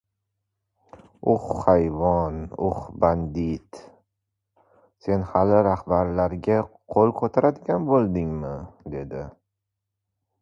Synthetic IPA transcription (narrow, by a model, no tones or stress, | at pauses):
ʊχːajvɒnʊ̰χband̪ɪt̪ | se̞nhalɪɾahbaɾlaɾɡʲaqʰolˠkʰot̪ʰaɾad̪ɪɡʲanbolˠd̪ɪŋmɪd̪e̞d̪ɪ